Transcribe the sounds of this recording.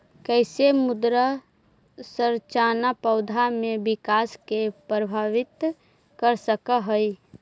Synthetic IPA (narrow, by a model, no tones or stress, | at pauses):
kɛɪsemʊd̪ɾə | səɾt͡ʃaːnapəʊd̪ʱamẽbɪkaːskepɾəbʱaːʋɪt̪ | kəɾsəkəɦəi